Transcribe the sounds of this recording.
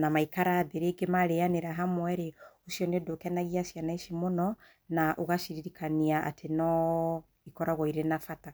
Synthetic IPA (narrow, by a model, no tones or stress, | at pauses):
namaikaɾaːðeɾeɡemaɾeaneɾaɦamwɛɾeoʃiɔnedokɛnaɣiasianaiʃimonɔ | naʔoɣaʃiɾiɾikʰaniaʔa̰tʰenɔ | ikɔɾaɣɔiɾenafata